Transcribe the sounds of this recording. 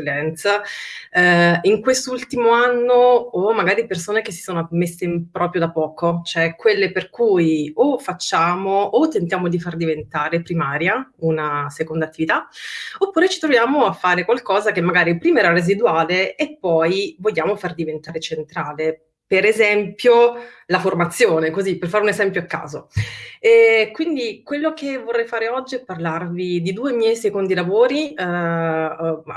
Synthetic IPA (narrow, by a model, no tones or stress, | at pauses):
lɛnt̪s | iŋkwest̪oult̪imoanːoːmːaɡaːɾipersoːnekesːi̥soːnoamesːempɾɔːpɾjod̪apːɔːkot͡ʃoɛkwelːeperkujofat͡ʃːaːmoʔːt̪ːent̪jaːmod̪ifard̪ivent̪aːɾepɾimaːɾjaunasekond̪at̪ːivit̪aopːuːɾet͡ʃi̥t̪ɾovjaːmoafːaːɾekwalkɔːzakemːaɡaːɾipɾiːmaɛːɾarezid̪uaːleːpːɔjvoʎːaːmofard̪ivent̪aːɾet͡ʃent̪ɾaːle | peɾezɛmpjo | laformat̪sːjoːnekozipːerfaɾeunezɛmpjoakːa̰ːzoɛkwind̪ikwelːokevorːɛjfaːɾeɔd͡ʒːiɛpːarlarvid̪id̪uːemjɛjsekond̪ilavoːɾi